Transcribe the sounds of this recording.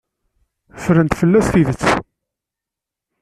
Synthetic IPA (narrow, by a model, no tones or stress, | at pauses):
fɾənt̪fəlːæθθiðət͡sː